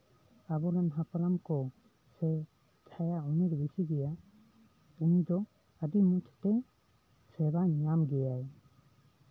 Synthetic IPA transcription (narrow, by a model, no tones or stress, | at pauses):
abɔɾanɦapaɾamkɔ | sɛ | t͡ʃʰajauniɾbisiɡɛja | unid̪ɔ | əd̪imut͡ʃʰt̪ɛ | sɛbaɲamɡɛjaj